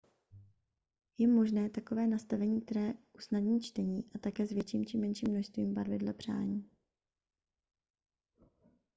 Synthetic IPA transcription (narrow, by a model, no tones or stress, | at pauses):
jɛmo̞ʒnɛːt̪ako̞vɛːnast̪avɛɲiːk̚t̪ɛɾɛːʔusnadɲiːt͡ʃt̪ɛɲiːʔat̪akɛːzvjɛt͡ʃiːmt͡ʃimɛnʃiːmnoʃst̪viːmbaɾvɪdlɛpr̝̥a̰ːɲiː